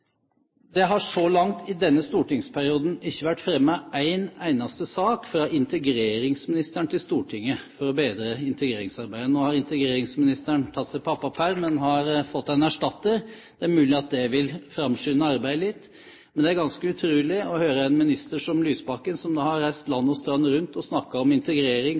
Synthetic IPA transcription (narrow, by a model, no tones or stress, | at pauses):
d̪ɛɦɑʂɔlɑŋt̪ʰɪd̪ɛnːəst̪uːʈɪŋspʰæɾɪuːd̪n̩ɪçːəʋæʈːfɾɛmːɑʔæɪnæɪnɑst̪əsɑːkfɾɑːʔɪnt̪əɡɾeːɾɪŋsmɪnɪst̪æɳt̪ɪlst̪uːʈʰɪŋːəfɔɾɔbeːd̪ɾəɪnt̪əɡɾeːɾɪŋsɑɾbæɪd̪ənoːhɑɾɪnt̪əɡɾeːɾɪŋsmɪnɪst̪əɳt̪ʰɑt̪ːsæɪpʰɑpːɑpʰæɾmɛnhɑɾfɔt̪ːænæʂʈɑt̪ːəɾ | d̪̥ɛæɾmʉːlɪɑt̪̚d̪ɛʋɪlfɾɑmʂyːnəɑɾbæɪd̪əlɪt̪ː | mɛnd̪ɛæɾɡɑnskəʉt̪ʰɾʉːlɪɔhøːɾəɛnmɪnɪst̪əʂɔmlyːsbɑkːənsɔmd̪ɑːhɑɾɾæɪst̪lɑnːɔst̪ɾɑnːəɾʉnt̪ɔsnɑkːɑɔmɪnt̪əɡɾeːɾɪŋ